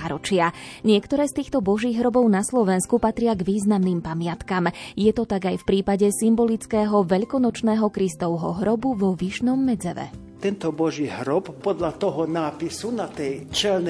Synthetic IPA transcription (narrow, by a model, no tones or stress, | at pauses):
ɾɔt͡ʃɪaɲɪɛkt̪ɔɾɛːst̪iːxt̪ɔbɔʒiːɣɦɾɔbɔʊnaslɔʋɛnskupat̪ɾɪaɡʋiːznamniːmpamɪat̪kamjɛt̪ɔt̪aɡajfpɾiːpaɟɛsimbɔlit͡skɛːɦɔʋɛʎkɔnɔt͡ʃnɛːɦɔkɾist̪ɔʊɦɔ̰ɦɾɔbuʋɔʋiʃnɔmːɛd͡zɛʋɛ̰ | t̪ɛnt̪ɔbɔʒiːɦɾɔpːɔd̪lat̪ɔɦɔnaːpisunat̪ɛjt͡ʃɛln